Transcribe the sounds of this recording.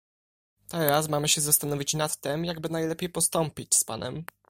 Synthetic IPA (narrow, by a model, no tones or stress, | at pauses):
t̪ɛɾasmamɘɕɛzast̪anɔvʲit͡ɕnat̪ːɛmjaɡbɘnajlɛpʲjejpɔst̪ɔmpʲit͡ɕspa̰nɛ̰m